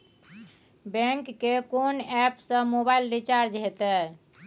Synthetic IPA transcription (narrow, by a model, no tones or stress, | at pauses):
bɛ̃ŋkːekonɛpsə̃mobailɾit͡ʃaɾd͡ʒɦet̪ɛ